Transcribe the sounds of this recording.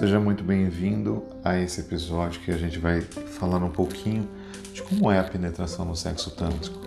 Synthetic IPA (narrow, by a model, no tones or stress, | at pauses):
seʒɐmũj̃t̪ʊbẽj̃vĩnd̪ʊ | aesɪepizɔd͡ʒjʊkɪaʒẽnt͡ʃɪvajfalãɾũpowkʰĩɲʊ | d͡ʒɪkõmʊɛɐpenet̪ɾasɐ̃w̃nʊsɛ̰ksʊt̪ɐ̰̃nt̪ɪ̥